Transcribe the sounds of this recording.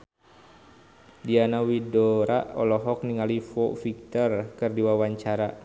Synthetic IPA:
dianawidɔɾaʔɔ̰lɔɦɔk̚niŋalifɔfik̚t̪ɔrkɨrdiwawaɲt͡ʃaɾa

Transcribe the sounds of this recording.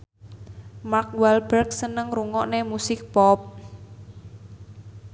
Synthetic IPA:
mark̚wɛlbərk̚sənəŋruŋɔʔnemusɪk̚pɔp̚

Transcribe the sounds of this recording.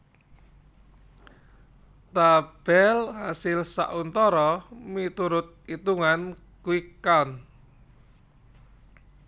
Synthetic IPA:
t̪ab̥ɛlhasɪlsa̰ʔunt̪ɔɾɔmit̪uɾʊt̪̚it̪uŋan | kuikan

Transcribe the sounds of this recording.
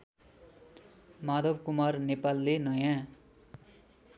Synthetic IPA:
mad̪ʱʌbkumarnepalːenʌjã

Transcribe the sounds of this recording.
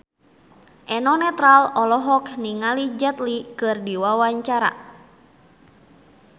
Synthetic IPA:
ʔɛnɔnɛt̪ɾalɔlɔɦɔkniŋalid͡ʒɛt̪likɨrdiwawaɲt͡ʃaɾa̰

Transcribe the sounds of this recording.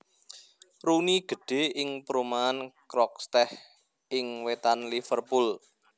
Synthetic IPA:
ɾuniɡ̥ə̤ɖ̥e̤ɪŋpəɾumaːnkɾɔk̚st̪ɛh | ɪŋwet̪anlifərpul

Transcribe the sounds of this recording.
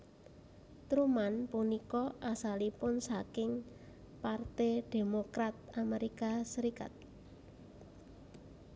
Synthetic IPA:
t̪ɾumanpunikɔʔasalipʊnsakɪŋ | part̪id̪̥e̤mokɾat̪̚ameɾikasəɾika̰t̪̚

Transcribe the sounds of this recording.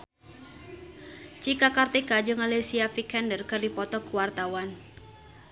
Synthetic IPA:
t͡ʃikakart̪eɡad͡ʒʊŋalesiafikɛndərkərdipɔt̪ɔkuwart̪awan

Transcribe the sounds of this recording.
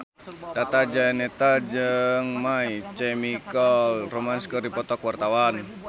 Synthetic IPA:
t̪at̪ad͡ʒanɛt̪ad͡ʒɨŋmait͡ʃɛmikɔlromanskɔrdipɔt̪ɔkwart̪awan

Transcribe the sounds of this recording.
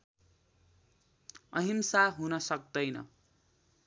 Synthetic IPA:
ʌɦimsaɦunʌsʌk̚d̪ʌjnʌ̰

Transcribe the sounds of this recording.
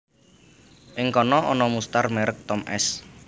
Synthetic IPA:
ʔɪŋkɔnɔʔɔnɔmust̪armɛɾək̚t̪ɔmʔɛ̰s

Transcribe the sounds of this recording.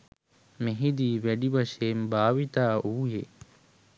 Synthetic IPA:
meɦid̪iːʋeɖibɐʃeːmbaːʋit̪aːuːje

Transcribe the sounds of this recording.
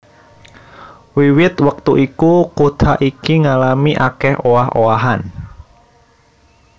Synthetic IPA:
wiwɪt̪wək̚t̪uʔikukot̪aʔikiŋalamiʔakɛhʔowaɦowaɦan

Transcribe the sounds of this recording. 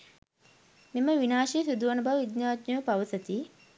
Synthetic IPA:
meməʋinaːʃisud̪uʋanəbaʋid̪ɲaːt̪ɲəʋəpaʋəsət̪i

